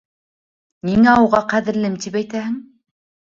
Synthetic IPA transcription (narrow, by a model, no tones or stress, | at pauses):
niŋæɑwʁɑqæðɘ̆ɾlɘmt̪ipæjt̪æhɘ̆ŋ